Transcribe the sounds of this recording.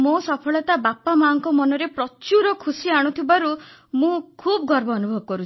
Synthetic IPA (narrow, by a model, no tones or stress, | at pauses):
mosɔpʰɔɭɔt̪abapamaŋkɔmɔnɔɾepɾɔt͡ʃuɾɔkʰusiaɽ̃ũt̪ʰibaɾumũkʰubɔɡʱɔɾbɔːnubʱɔbɔkɔɾut͡ʃʰ